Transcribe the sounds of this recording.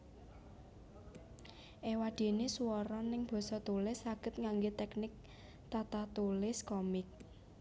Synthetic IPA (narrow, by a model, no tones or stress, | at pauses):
ʔewad̪̥e̤nesuwɔɾɔnɪŋb̥ɔ̤sɔt̪ulɪsːaɡ̥ə̤t̪̚ŋaŋɡet̪ɛknɪk̚ | t̪at̪at̪ulɪskɔmɪk̚